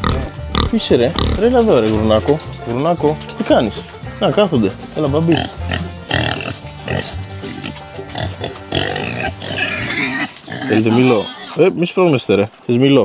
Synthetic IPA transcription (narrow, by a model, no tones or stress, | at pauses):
piseɾeɾelaðoɾeɣɾunakoɣɾunakot̪ikɐnis | nɐkɐθond̪e | elɐbabi | θelit̪emiloemispɾomest̪eɾeθezmilo